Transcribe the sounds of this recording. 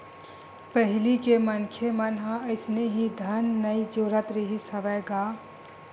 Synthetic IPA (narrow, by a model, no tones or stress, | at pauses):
pəɦilikemənkʰemənɦãəɪsneɦĩd̪ʱənːəjd͡ʒoɾət̪ɾiɦisəʋəɡa